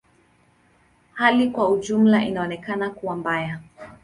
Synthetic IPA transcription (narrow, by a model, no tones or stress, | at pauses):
halikwauʄum̩laʔinaɔnɛkanakuwambaja